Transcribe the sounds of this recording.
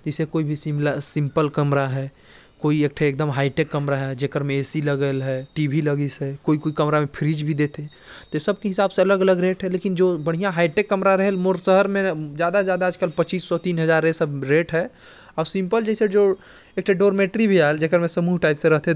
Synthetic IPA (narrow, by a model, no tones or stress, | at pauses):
d͡ʒɛsekoːibʱisɪmlasɪ̃mpəlkəmɾaɦɛː | koːieːk̚ʈʰeːk̚d̪əmɦaːɪʈekːəmɾaɦɛd͡ʒekəɾmẽeːsiləɡəlɦɛʈibʱiləɡisɦɛkoːikoːikəmɾamẽpʰɾid͡ʒbʱid̪eːt̪e | t̪osəb̚keɦɪsaːbseɐləɡələɡɾeːʈɦɛleːkɪnd͡ʒobəɽ̤ijaɦaɪʈekːəmɾaɾəɦəlmoːɾsəɦəɾmẽd͡ʒjaːd̪ad͡ʒjaːd̪aːd͡ʒkəlpət͡ʃiːsːɔt̪iːnɦəd͡ʒaːɾːesəbɾeːʈɦɛ | ɔːɾsɪ̃mpəld͡ʒɛɪsed͡ʒo | eːk̚ʈʰeɖoːɾmeːʈɾibʱiald͡ʒekəɾmẽsəmuːɦʈaːɪpseɾəɦt̪ʰe